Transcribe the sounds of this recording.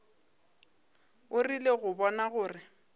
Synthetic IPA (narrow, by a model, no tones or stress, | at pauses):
ʊrileɣʊbɔnaɣʊːrɪ